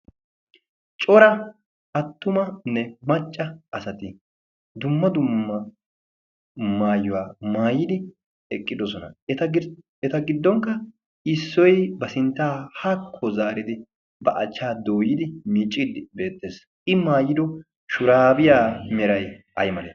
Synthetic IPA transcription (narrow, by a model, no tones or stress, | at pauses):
t͡ʃʼɔɾɐ | ɐt̪ːʊmɐnɛmɐt͡ʃʼːɐʔɐsɐt̪ɪ | d̪ʊmːɐd̪ʊmːɐ | maːjːʊwaːmaːjːɪd̪ɪ | ɛkʼːɪd̪ɔsɔnɐ̰ɛt̪ɐ | ɛt̪ɐɡɪd̪ːɔŋkːɐ | ɪsːɔjbɐsɪnt̪ːaːhɐkʰːɔzaːɾɪd̪ɪ | bɐʔɐt͡ʃːaːd̪oːjɪd̪ɪmiːt͡ʃʼːid̪ɪbe̞ːt̪ːe̞ːs | ʔɪmaːjɪd̪ɔ | ʃʊɾaːbɪjaːmɛɾɐjʔɐ̰jmɐleː